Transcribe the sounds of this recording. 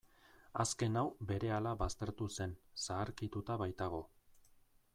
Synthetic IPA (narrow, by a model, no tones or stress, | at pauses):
aske̞nawbe̞ɾe̞alaβast̪e̞ɾt̪use̞nsaːɾkit̪ut̪aβajt̪aɣ̞o̞